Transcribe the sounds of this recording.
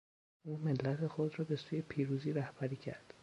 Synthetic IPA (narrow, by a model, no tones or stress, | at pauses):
ʔuːmelːæt̪ʰe̞xo̞d̪rɒːbe̞suːjepʰiːɾuːziːɾæhb̥æɾiːcʰæ̰ɾd̪̥